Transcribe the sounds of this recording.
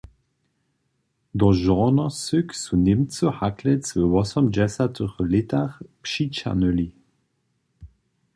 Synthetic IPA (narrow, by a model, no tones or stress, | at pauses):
d̪ɔʒɔnɔsʏksunɪmt͡sɔhaklɛt͡svəwɔsɔmd͡ʒɛsatʰəʁlɪtaʁpʃit͡ʃa̰nøli